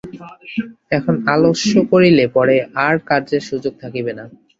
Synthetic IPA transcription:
ɛkʰonaloʃokoɾilepɔɾeʔaɾkaɾd͡ʑeɾʃud͡ʑoɡ̚t̪ʰakibena

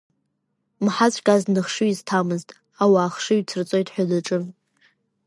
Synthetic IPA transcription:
mħat͡sʷʰʼkʼaznɨχʂɨiztʰamɨztʼ | awaːχʂɨɥt͡sʰɨrt͡sʼo̞jtʼħʷᶣalɨʈ͡ʂʼɨm

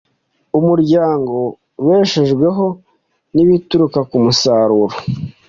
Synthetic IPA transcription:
umuɾɟaːŋɡo̞ | weːʃeʒɡwe̞ɦo̞ | niβituɾukakumusaɾuɾo

